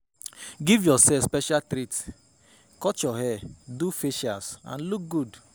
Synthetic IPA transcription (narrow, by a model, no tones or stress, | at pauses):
ɡivjɔsɛfspɛʃaltɾit | kɔt͡ʃɔɦɛdufeʃasã̰nluk̚ɡud